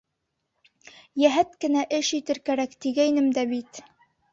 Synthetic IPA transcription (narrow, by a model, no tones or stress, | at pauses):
jæɦæt̪kɘ̆næʔɘʃit̪ɘɾkæɾækt̪iɡæjnɘmd̪æbit̪